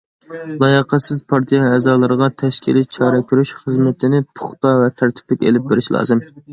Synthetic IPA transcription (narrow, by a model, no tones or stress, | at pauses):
lˠɑjəqʰəsɪzpʰɑɾt̪ʰijɑɛːzɑlˠɨɾəʁɑt̪ʰɛʃkʲʰḭlit͡ʃʰɑːɾɛkʲʰyɾyʃχəzmɪt̪ʰɪnɪpʰʊ̥χt̪ɑvɛt̪ʰæɾt̪ʰɪ̥plɪkʲḛlɪp̚beɾɪʃlˠɑ̰ːzɨm